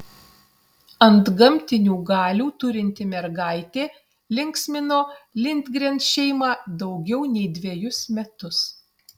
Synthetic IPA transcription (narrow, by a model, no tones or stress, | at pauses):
ɐnd̪ɡɐmʲt̪ʲɪnʲuːɡɑːlʲuːt̪ʊɾʲɪnʲt̪ʲɪmʲɛɾɡɑɪt̪ʲeː | lʲɪŋksʲmʲɪnoːlʲɪnʲd̪ʲɡɾʲɛnt̪ʃʲɛɪmɑːd̪ɐʊɡʲɛʊnʲɛɪd̪ʲʋʲeɛjʊsmʲɛt̪ʊs